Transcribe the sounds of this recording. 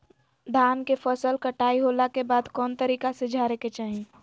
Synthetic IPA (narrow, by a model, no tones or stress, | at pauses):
d̪ʱaːnkepʰəsəlkəʈaːiɦoːlakebaːd̪kɔːnt̪əɾiːkasɪd͡ʒʱaːɾeket͡ʃaːɦĩ